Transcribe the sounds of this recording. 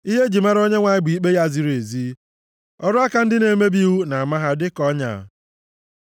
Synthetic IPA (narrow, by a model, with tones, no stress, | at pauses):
i˦ɦe˦d͡ʒi˨ma˦ɾo˦ɲe˦ŋʷa˨ɲɪ˦bi˨i˦k͡pe˦ja˦zi˦ɾe˨zi˦ | ɔ˦ɾʊ˦a˦ka˦n̩˦dɪ˦ne˨me˦bi˦wu˦na˨a˨ma˦ɦa˦dɪ˦kɔ˦ɲa̰˨